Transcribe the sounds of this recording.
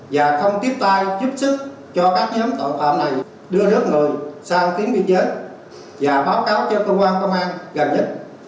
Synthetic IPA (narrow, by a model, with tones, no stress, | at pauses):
vaː˨˩xə˧wŋ͡mt̪i˦˥əp̚t̪aː˧jzu˦˥p̚sɨ˦˥k̚ | t͡ɕɔ˧kaː˦˥k̚ɲɔ˨˦mt̪o̰ː˧˨nfa̰ː˧˨mna˨˩j | ɗɨ˧əzɨ˦˥ək̚ŋə˨˩jsaː˧wt̪i˨˦əŋɓi˧nt͡ɕe˨˦˥t̚ | vaː˨˩ɓaː˨˦wkaː˨˦wt͡ɕɔ˧kəː˧kwaː˧nkə˧wŋ͡mʔaː˧ŋɣə˨˩nɲə˦˥t̚